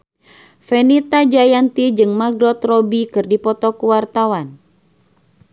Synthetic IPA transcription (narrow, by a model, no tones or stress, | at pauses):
fenit̪ad͡ʒajant̪id͡ʒɨŋmaɡɾɔt̪rɔbikɨrdipɔt̪ɔkuwart̪awan